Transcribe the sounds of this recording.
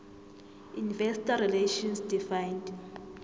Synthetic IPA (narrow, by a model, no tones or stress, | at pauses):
univɛsi̥tarileʃɔnsdifajnd